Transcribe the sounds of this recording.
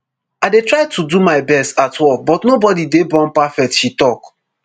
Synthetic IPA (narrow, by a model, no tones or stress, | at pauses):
aɪdetɹaɪtʰudumaɪbɛstatʰwɛvbɔtnobɔdidebɔ̃npafɛk̚tʃitɔk